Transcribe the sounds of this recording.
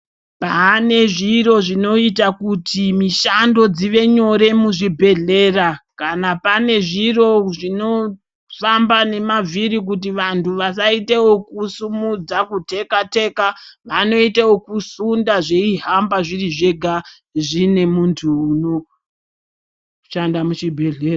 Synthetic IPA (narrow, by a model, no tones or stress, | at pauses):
pane̞ʐiro̞ʐino̞itakutimiʃando̞d͡ziʋe̞ɲo̞ɾe̞muʐibʱe̞ɮe̞ːrakanapane̞ʐiro̞ʐino̞ | fambane̞mavʱiɾik̬ut̬iʋantʰuʋas̬aitewo̞kusumud͡zakute̞kate̞kaʋano̞itewokusundaʐe̞iɦambaʐiriʐe̞ɡʱa | ʐine̞muntʰuːno̞ | ʃandamuʃibʱe̞ɮe̞ːra